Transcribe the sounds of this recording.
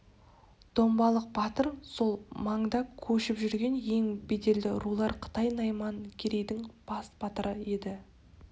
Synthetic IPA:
d̪̥o̞mbɑlˠəq̚bɑt̪əɾso̞lˠmɑɴd̪ɑkʲʰɵʃɪpʒʏɾɡʲe̞nje̞ŋbed̪e̞ld̪ɪ̰ɾulˠɑɾqʰə̥t̪ɑjnɑjmɑŋkʲʰeɾe̞jd̪ɪŋb̥ɑsb̥ɑt̪əɾəe̞d̪ɪ

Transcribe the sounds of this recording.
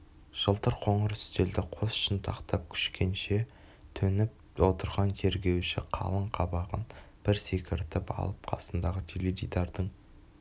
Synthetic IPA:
ʒ̥əlˠt̪əɾqʰo̞ɴəɾʏst̪e̞ld̪ɪqʰo̞sʏ̥ʃɪnt̪ʰɑqt̪ɑp̚kʲʰʏ̥ʃkʲʰe̞nʃe | t̪ʰɵnɪp̚ | wo̞t̪əɾʁɑnt̪ʰe̞ɾɡʲe̞wʃɪqʰɑ̰lˠəɴqʰɑbɑʁənb̥ɪɾse̞kʲɪɾt̪ɪpɑ̰lˠəp̚qʰɑ̰sənd̪ɑʁət̪ʰelevʲijd̪ɑɾd̪əɴ

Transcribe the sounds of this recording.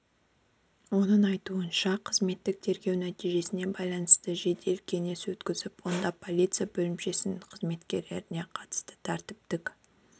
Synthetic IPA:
wo̞nəɴɑjt̪uənʃɑqʰəzme̞t̪ːɪk̚t̪ʰe̞ɾɡʲe̞wnæt̪ijʒe̞sɪne̞bɑjlˠɑnəst̪əʒe̞d̪e̞lkʲʰe̞neswɵt̪kʲɪzɪpwo̞nd̪ɑpʰo̞lʲijt̪sɨjabɵlɪmpʃe̞sɪnɪŋqʰəzme̞t̪kʲe̞ɾle̞ɾɪne̞qʰɑt̪ə̥st̪ə̥t̪ʰæɾt̪ɪp̚t̪ɪk

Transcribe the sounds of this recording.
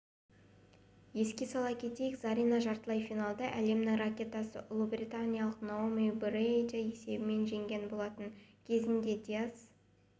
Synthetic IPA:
je̞skʲe̞sɑlˠɑkʲʰe̞t̪e̞jɪkzaɾʲinɑʒɑɾt̪əlˠɑjfinalˠd̪ɑʔæle̞mnɪŋrakʲe̞t̪asə̰ʔʊlˠubrʲit̪anʲijalˠəqnoomijubɾed̪aje̞se̞bɪme̞nʒe̞ŋɡʲe̞nbo̞lˠɑt̪əŋkʲʰe̞zɪnd̪e̞d̪ʲijas

